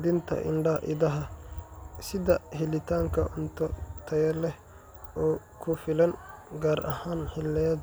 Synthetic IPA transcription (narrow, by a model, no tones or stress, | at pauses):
d̪ɪnt̪ʰɐ̰ʔɪ̰ɳɖɐʔɪ̰d̪ɐɦɐ | sɪðɐhɪlɪt̪ʰaːŋkʰɐʔʊnt̪ʰɔt̪ʰɐjɐlɛ | ʔɔː | kʰʊfɪlɐnɡaːɾʔɐhaːnhɪlːɛd̪